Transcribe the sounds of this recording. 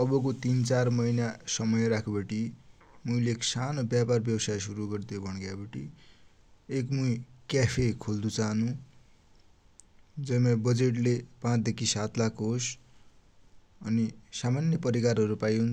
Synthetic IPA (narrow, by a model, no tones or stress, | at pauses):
ʌbʌkot̪int͡sarmʌjnasʌmʌjeɾakʰubʌʈi | muileːksanobjaparbjʌwsajsuɾuɡʌrt̪ijobʱʌɽ̃ɡjabʌʈi | ekmujkjapʰekʰold̪ut͡saɦnũ | d͡zʌjmabʌd͡zeʈlepãt͡sd̪ekʰisat̪lakɦos | ʌnisamanjʌpʌɾikarɦʌɾupajun